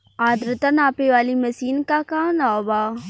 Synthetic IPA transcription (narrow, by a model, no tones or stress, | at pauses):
aːd̪ɾət̪ənaːpeʋaːlimɐsiːnkakaːnaːbaː